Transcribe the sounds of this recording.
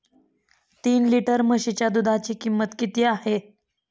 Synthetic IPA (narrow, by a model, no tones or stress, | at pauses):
t̪iːnliʈəɾməɕit͡ɕjad̪ud̪ʱat͡ɕiːkimːət̪kit̪iːahe